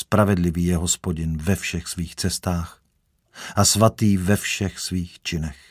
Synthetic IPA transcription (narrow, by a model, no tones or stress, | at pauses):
spɾavɛdlɪviːjɛɦospoɟɪnvɛfʃɛxsviːxt͡sɛst̪aːx | ʔasvat̪iːvɛfʃɛxsviːxt͡ʃɪnɛx